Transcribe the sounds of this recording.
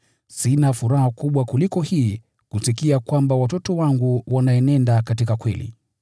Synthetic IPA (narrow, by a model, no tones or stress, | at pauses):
sinafuɾahakuɓwakulikɔhiː | kusikiakwambawatɔtɔwaŋɡuwanaɛnɛndakatikakwɛ̰lḭ